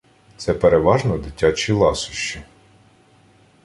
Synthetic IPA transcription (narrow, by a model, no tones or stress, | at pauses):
t̪sɛpeɾeʋɑʒnɔd̪ɪtʲat͡ʃʲilˠɑsʊ̥ʃt͡ʃːi